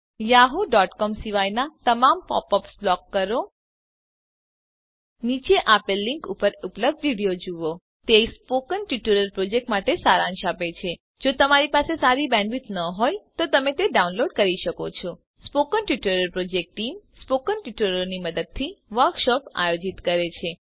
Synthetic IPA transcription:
jaɦoɖɔʈkɔmsiʋajnat̪əmampɔ̰pɔpsblɔkːəɾo | nit͡ʃeʔapelːiŋkupəɾupləb̚d̪ʋiɽijod͡ʒuʋo | t̪espokənʈiʈuɾəɾpɾod͡ʒek̚ʈmaʈesaɾãnʃapet͡ʃʰe | d͡ʒot̪əmaɾipasesaɾibɛ̃ɳɖʋit̪nəɦojt̪ot̪əmet̪eɖaunloɖkəɾiʃəkot͡ʃʰɔ | spokənʈjiʈəɾəɾpɾod͡ʒek̚ʈːimspokənʈʋiʈəɾəniməd̪əd̪̚t̪ʰiʋəɾkʃɔpa̰jod͡ʒit̪kəɾet͡ʃʰe

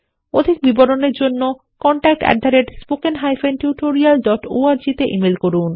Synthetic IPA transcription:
od̪ʱik̚biboɾoneɾd͡ʑonːo | kɔɳʈak̚ʈɛ̰ɖ̪ʱaɾeʈspokenɦajfʰenʈjuʈoɾialɖɔʈo̰aɾd͡ʑit̪eʔimelkoɾun

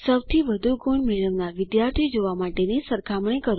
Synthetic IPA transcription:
səwt̪ʰiʋəd̪ʱuɡoɳmeɭəʋnaʋɪd̪jaɾt̪ʰid͡ʒoʋamaʈenesəɾkʰamɳ̃ikəɾ

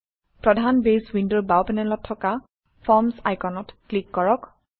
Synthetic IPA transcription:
pɹɔdʱanbeswindoɹbawpɛnɛlɔtʰːɔka | fʰɔɹmsa̰jkɔnɔtklikːɔɹɔk

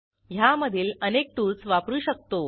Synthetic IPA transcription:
jaməd̪ʱiːlənek̚ʈult͡sʋapɾuːɕək̚t̪o

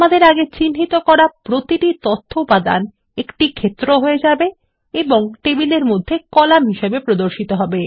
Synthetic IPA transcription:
amad̪eɾaɡet͡ɕinɦit̪okɔɾapɾot̪iʈit̪ot̪ʰːoupad̪a̰n | ekʈikʰet̪ːɾoɦoed͡ʑabe | eboŋʈebileɾmod̪ʱːekɔlamɦiʃebepɾod̪oɾʃit̪oɦɔbe

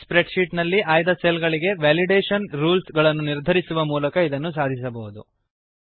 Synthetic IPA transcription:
spɾeɖʃiːʈnɐlːiʔaːjd̪ɐselɡɐɭiɡe̞ʋaːliɖeːʃɐnɾuːlsɡɐɭɐnːuniɾd̪ʱɐɾisuʋɐmuːlɐkɐid̪ɐnːus̬aːd̪ʱis̬ɐbɐɦud̪ṵ

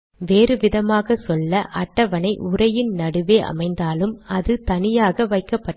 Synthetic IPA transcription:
ʋeːrɯʋɪðɐmaːɣɐsɔlːɐʔɐʈːɐʋɐnɐɪʔʊrɐjɪnnɐɽɯʋeːʔɐ̰mɐɪnd̪aːlɯmɐðɯt̪ɐnɪjaːɣɐʋɐɪkːɐpːɐʈː

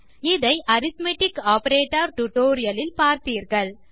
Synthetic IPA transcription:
ɪðɐɪʔɐɾɪt̪meʈɪkaːpɐɾeːʈːɐɾʈʊʈoːɾɪjɐlɪlpaːɾt̪iːɾɣɐɭ

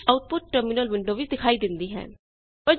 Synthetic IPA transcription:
aːʊʈ̚pʊʈʈəɾmuːnəlʋɪ̃ɳɖoːʋiːd̪ɪkʰaːiːd̪ɪnd̪iːɦɛ̰̃ː | pə

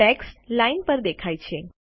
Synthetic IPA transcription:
ɛkslainpəɾd̪ekʰajt͡ʃʰe

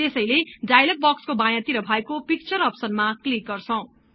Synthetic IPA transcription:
t̪esʌjleɖajlʌk̚bʌkskobãjãt̪iɾʌbʱʌekopik̚t͡sʌɾʌpsʌnmaklik̚ɡʌrt͡sʰʌw̃

